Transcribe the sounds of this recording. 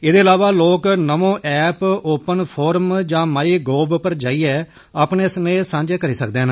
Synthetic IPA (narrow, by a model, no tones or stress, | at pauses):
eːd̪eːəlaːʋaːloːknəʋõːʔɛːpoːpənpʰoːɾəmd͡ʒãːmaːiːɡoːbpəɾd͡ʒaːiːɛː | aːpneːsəneːsãːɲd͡ʒeːkəɾiːsəkd̪eːɦn